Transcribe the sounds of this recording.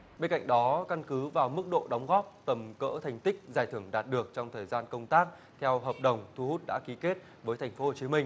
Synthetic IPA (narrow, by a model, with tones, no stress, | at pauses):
ɓe˧nka̰˧˨jŋ̟ɗɔ˨˦ka˧nkɨ˨˦vaː˨˩wmɨ˦˥k̚ɗo̰˧˨ɗɔ˨˦wŋ͡mɣɔ˦˥p̚t̪ə˨˩mkə̰ː˧˥t̪ʰa˨˩jŋ̟t̪ï˦˥k̟̚zaː˨˩jt̪ʰɨ˧˩əŋɗaː˨˩t̚ɗɨ˨˩ək̚t͡ɕɔ˧wŋ͡mt̪ʰəː˨˩jzaː˧nkə˧wŋ͡mt̪aː˦˥k̚ | t̪ʰɛ˧wɦəː˨˩p̚ɗə˨˩wŋ͡mt̪ʰu˧hu˦˥t̚ɗa̰ː˧˥ki˨˦ke˦˥t̚ | vəː˨˦jt̪ʰjŋ̟fo˨˦ho˨˩t͡ɕi˨˦mï˧ŋ̟